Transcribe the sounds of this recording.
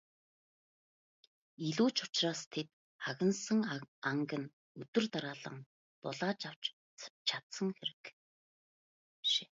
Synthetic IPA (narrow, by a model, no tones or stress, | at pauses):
iɮuːt͡ɕʊ̥t͡ɕraːst̪ʰet̪ | χaɣʲɪ̆nsə̆ŋaŋɡə̆n | ɵt̪ɵ̆rt̪aɾaːɮə̆ŋ | p̪ʊ̰ɮaːt͡ɕaw̥t͡ɕ | t͡ɕʰḁt̪sə̆ŋxeɾɘ̆k | ʃe̥ː